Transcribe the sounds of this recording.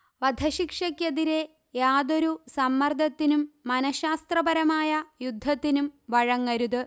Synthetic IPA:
ʋɐd̪ʱɐɕikʂɐkːjeðiɾe̞ | jaːd̪o̞ɾusɐmːɐrd̪ʱɐt̪ːinumːɐnɐɕaːst̪rɐbɐɾɐmaːjɐjud̪ʱːɐt̪ːinumʋɐɻɐŋːɐɾuðɨ

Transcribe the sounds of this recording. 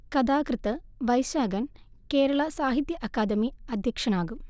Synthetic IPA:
kɐd̪aːkɾɨt̪ɐʋɐjʃaːɡɐn | keːɾɐɭɐsaːɦit̪jɐʔɐkaːd̪ɐmiɐd̪ʱjɐkʂɐnaːɡum

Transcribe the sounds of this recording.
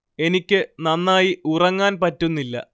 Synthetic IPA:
e̞nikʲːɨnɐnːaːjiurɐŋːaːnpɐtːunːilːɐ̰

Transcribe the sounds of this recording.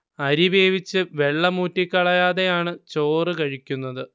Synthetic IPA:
ɐɾibeːʋit͡ɕːɨʋe̞ɭːɐmuːtːikʲːɐɭɐjaːðe̞jaːɳɨt͡ɕoːrɨkɐɻikʲːunːɐðɨ

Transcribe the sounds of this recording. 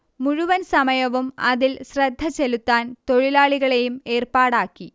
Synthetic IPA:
muɻuʋɐnsɐmɐjɐʋumɐ̰ðilsrɐd̪ʱːɐt͡ɕe̞lut̪ːaːnt̪o̞ɻilaːɭiɣɐɭe̞jume̞ːrpaːɽaːkːi

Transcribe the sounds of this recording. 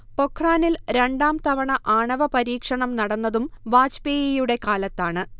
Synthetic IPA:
po̞kʰraːnilɾe̞ɳɖaːmt̪ɐʋɐɳɐʔaːɳɐʋɐpɐɾiːkʂɐɳɐmnɐɽɐnːɐðumʋaːt͡ɕpeːjijuɽe̞kaːlɐt̪ːaːɳɨ

